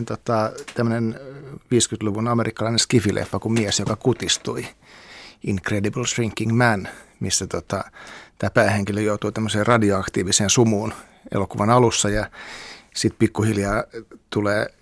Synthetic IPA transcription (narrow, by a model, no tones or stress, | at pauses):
nt̪ot̪ɑt̪æmːønenʋiːskyt̪luʋunɑmerikːɑlɑineskifilʔḛfːɑkumiesjokɑkut̪ist̪ui | iŋkrediblsriŋkːiŋmænmisːæt̪ot̪ɑt̪æːpæːheŋkilːøjout̪uːt̪æmːøseːrɑdioɑkt̪iːʋiseːnsumuːn | ḛlokuʋɑnɑlusːɑjɑ | sit̪pikːuhiljɑːt̪uleː